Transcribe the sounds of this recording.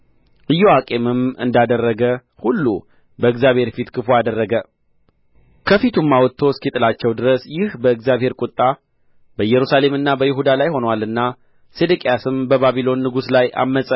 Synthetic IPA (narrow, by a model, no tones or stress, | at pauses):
ʔɨjːɛwakʼe̞mɨmɨ̰nd̪ad̪ərːəɡə | hulːṵ | bəɨkzjaβhe̞ɾfit̪kʰɨfoad̪ərːəɡə | kʰəfit̪ʰumːawɔt̪ʰːo̞skit̪ʼɨlat͡ʃːɛwd̪ɨɾəsjɪhbəɨkzjaβhe̞ɾkʼʊt̪ʼːa | bəjːɛɾusale̞mɨnːabəjɪɦud̪alajho̞nwalɨnːa | sed̪ɨkʼijasɨmbəβaβilo̞nːɨɡuslajʔa̰mːəsʼə